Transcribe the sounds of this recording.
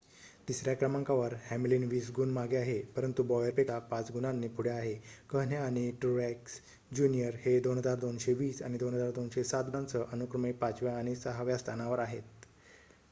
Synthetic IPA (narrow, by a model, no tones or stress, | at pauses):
t̪isɾjakɾəmaŋkaʋəɾhæmilinʋiːsɡunmaɡeaɦepəɾənt̪ubɔʋjapekapat͡sɡunanːipʰuɽjaaɦekəɦnjaːɽ̃iʈuɾɛks | d͡ʑunijəɾhed̪onɦəd͡zaɾd̪onɕeʋiːsaɽ̃id̪onɦəd͡zaɾd̪onɕesat̪ãnt͡səʔənukɾəmipat͡sʋjaːɽ̃isəɦaʋjast̪ʰanaʋəɾaɦet̪̚